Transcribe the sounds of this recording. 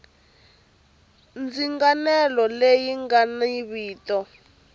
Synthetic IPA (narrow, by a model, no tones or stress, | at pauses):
nd͡ziŋɡanɛlɔlejiŋɡaniβiːtɔ